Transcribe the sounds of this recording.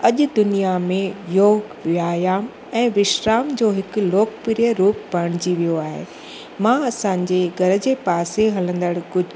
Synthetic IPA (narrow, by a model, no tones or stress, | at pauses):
ɐʄʊ̆d̪ʊnijamẽjoːɡʋjaːjaːm | ɛ̃ːʋɪʃɾaːmd͡ʑoːɦɪkʊ̆loːkpɪɾijəɾuːpbɐɾɽ̃ɪd͡ʑiʋijoaːɦḛː | mãɐsãːɲd͡ʑeɡʱɐɾə̆d͡ʑeːpaːseɦɐlə̃nd̪əɽkʊd͡ʑ